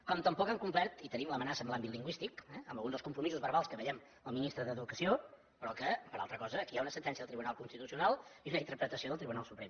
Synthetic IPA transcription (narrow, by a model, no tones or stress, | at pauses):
kɔmt̪əmpɔkəmkumpɛɾt̪it̪ənimləmənasəmlambit̪lˠiŋɡwist̪ikɛəmbəlˠɣunəskumpɾumizuzβəɾβalˠskəβəʎɛm | əlˠminist̪ɾəðəðukəsio | pɾɔkəpəɾa̰lˠt̪ɾəkɔzəːkiaunəsənt̪ɛnsiəðəlˠt̪ɾiβunalˠkunst̪it̪usiunalˠiezunəint̪əɾpɾət̪əsioðəlˠt̪ɾiβunalˠsupɾem